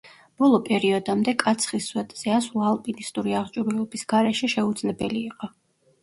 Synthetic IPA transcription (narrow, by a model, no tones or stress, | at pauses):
b̥ɔlˠɔpʼɛɾiɔd̪amd̪ɛkʼat̪sʰχisːwɛt̪ʼz̥ɛasulˠalˠpʼinist̪ʼuɾiaʁt͡ʃʼuɾilˠɔbisɡaɾɛʃɛʃɛud̪zlɛbɛliːqʼɔ